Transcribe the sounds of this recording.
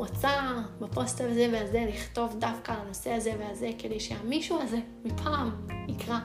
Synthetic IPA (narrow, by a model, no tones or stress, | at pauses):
ot͡sabapo̞stazeveazeliχto̞vdafkalano̞se̞aze̞veaze̞kede̞jʃehamiʃuaze̞ | mipʰaːmikʁa